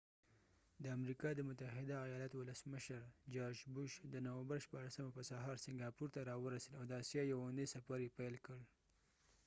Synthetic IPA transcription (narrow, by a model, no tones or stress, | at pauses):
d̪əamɾikɑd̪əmʊt̪aɦɪd̪aːjɑlɑt̪owʊləsməʃəɾd͡ʒɑɾd͡ʒbʊʃd̪ənawəmbəɾʃpɑɽasamapəsaɦɑɾsɪŋɡɑpuɾt̪aɾɑwəɾasəlawd̪əɑsjɑjawand̪esapaɾjepajlkəɽ